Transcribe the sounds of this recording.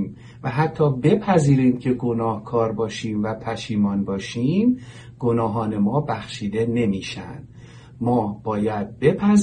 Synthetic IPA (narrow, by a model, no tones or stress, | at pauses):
m | væɦæt̪ʰːɒːbe̞pʰæziːɾiːmcʰe̞ɡo̞nɒːhkʰɒːɾbɒːʃiːmvæpʰæʃiːmɒːnbɒːʃiːm | ɡ̥o̞nɒːɦɒːne̞mɒːbæxʃiːd̪e̞ne̞miːʃæ̰nd̪̥ | mɒːb̥ɒːjæd̪̚be̞pʰæz